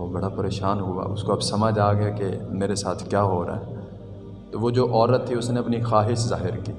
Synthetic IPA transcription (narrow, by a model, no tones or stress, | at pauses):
obɐɽapɐɾeːʃaːnɦʊa̰ʔʊskoɐbsɐməd͡ʒaːɡɐjakemeːɾesaːt̪ʰkjaːɦoːɾa̰ːɦɛː | t̪oʋod͡ʒoːʔɔːɾət̪ʰːiʊsneɐpnixaːɦɪʃzaːɦɪɾkiː